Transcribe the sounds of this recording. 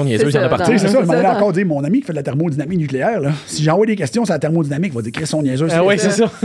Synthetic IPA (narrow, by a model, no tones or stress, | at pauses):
ɔ̃njɛzøãd̪əpasesesɔʒmalɛɑ̃kɑːʁdziːʁmɔ̃namikʲi̥fɛd̪lat̪ɛʁmod̪inamɪk̚nykʲleɛːʁlɔsiʒɑ̃vwad̪ekʲɛst͡s̪jɔ̃s̬eat̪ɛʁmod̪inamɪkvɔʌd̪iːkʁesɔ̃njɛzøwisesʌ